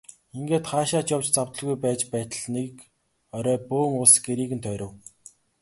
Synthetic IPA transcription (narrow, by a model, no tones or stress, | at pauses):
iŋɡeːt̪χaːʃaːt͡ɕjɔw̥t͡ɕt͡saw̥t̪ə̆ɮɣujpæːt͡ɕpæːt̪ə̆ɮnek | ɔɾœːpoːŋʊɮsɡeɾiːɣɘ̆nt̪ʰœːɾʲʊ̆w